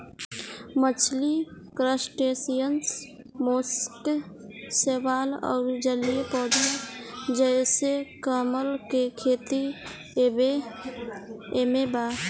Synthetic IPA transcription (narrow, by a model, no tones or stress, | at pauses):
mət͡ʃʰlikɾəsʈesijəns | moːsʈ | seʋaːlɔ̰ːɾd͡ʒəlijepɔːɖiɾd͡ʒəɪsekəməlkekʰeːt̪i | be | emeba